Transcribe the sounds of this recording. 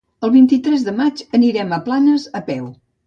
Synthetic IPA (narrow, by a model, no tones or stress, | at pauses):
əlˠβint̪it̪ɾɛzðəmat͡ʃəniɾɛməplanəzəpɛw